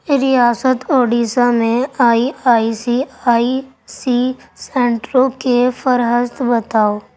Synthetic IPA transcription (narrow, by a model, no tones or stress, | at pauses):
ɾɪjaːsət̪oːɖiːsamẽaːiaːisiaːi | sisɛ̃ːɳʈɾõkefəɾɦəst̪bət̪aːoː